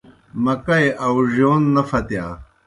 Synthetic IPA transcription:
mɐkɐjʔɐwʑoːnːɐfɐt̪jaː

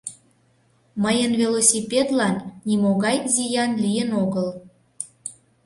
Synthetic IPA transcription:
məjənvelosʲipʲed̪lɑnːimoɣɑjzijɑnlijənoɣəl

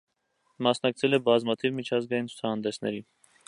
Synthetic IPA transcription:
mɑsnɑk̚t͡sʰɛlɛbɑzmɑt̪ʰivmit͡ʃʰɑzɡɑjint͡sʰu̥t͡sʰɑhɑnd̪ɛsnɛ̰ɾi

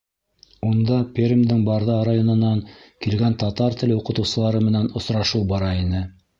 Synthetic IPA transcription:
und̪ɑpʲerʲimd̪ɘŋbɑɾðɑɾajonɤ̆nːɑŋkilɡænt̪ɑt̪ɑɾt̪ɘ̆lɘuqɤ̆t̪ɤ̆wsɤ̆lˠɑɾɤmɘ̆nænŏsɾɑʃuwbɑɾɑinɘ

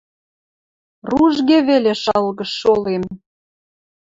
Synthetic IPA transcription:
ruʒɣeβeleʃɑlɣə̆ʃːolem

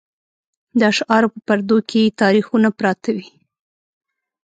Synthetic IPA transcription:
d̪ɑʃɑɾopəpaɾd̪okʰejet̪ɑɾixunapɾɑt̪awi

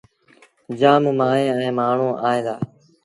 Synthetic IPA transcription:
d͡ʒaːmmaːɦẽːɛ̃ːmaːɳ̤õːʔaːɦẽːd̪a̰ː

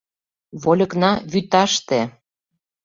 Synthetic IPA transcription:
βolʲɤ̆knɑβyt̪ɑʃt̪e

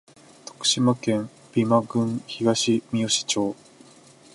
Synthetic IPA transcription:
t̪o̞̥kɯ̟̥ɕimakẽ̞m | b̥ʲimaɡɯ̟̃ŋ̃çiɡaɕimʲio̞ɕi̥t͡ɕo̞ː

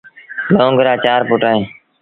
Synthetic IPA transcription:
lõːŋɡəɾaːt͡ʃaːɾpʊːʈaːẽː

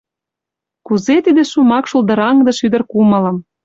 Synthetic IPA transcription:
kuzet̪id̪eʃumɑkʃuld̪ɤ̆ɾɑŋd̪ɤ̆ʃyd̪ə̆rkumɤ̆lɤ̆m

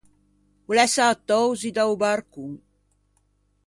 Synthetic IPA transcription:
ulɛsat̪ɔwzid̪awbaɾkuŋ

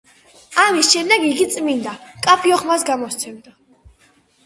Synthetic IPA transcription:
amisʃɛmd̪ɛɡiɡit̪sʼmind̪akʼapʰiɔχmasɡamɔst̪sʰɛmd̪a

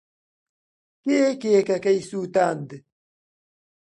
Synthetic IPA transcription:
keːkeːkakɐjsuːt̪aːnd̪

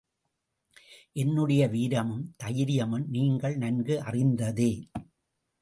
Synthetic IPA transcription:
ʔɛnːɯɽɐjɐʋiːɾɐmɯmt̪ɐjɪɾɪjɐmɯmniːŋɡɐɭnɐnɡɯʔɐrɪnd̪ɐðeː

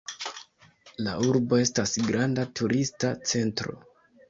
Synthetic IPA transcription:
la̰uɾbo̞e̞stasɡɾandatuɾʔistat͡se̞ntɾo̞̰

